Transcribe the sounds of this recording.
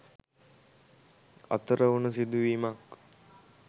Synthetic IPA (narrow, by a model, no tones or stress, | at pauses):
a̰t̪əɾəunəs̬id̪uʋiːmak